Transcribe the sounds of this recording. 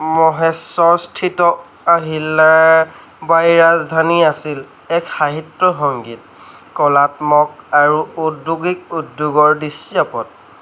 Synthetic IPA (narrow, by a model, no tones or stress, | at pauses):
mɔɦɛsɔɹstʰitɔ | aɦilːaɹ | bajɹazdʱaniasil | ɛkxaɦitːɔxɔŋɡit̚ | kɔlatmɔk̚aɹuuduɡik̚udːuɡɔɹdisiapɔt̚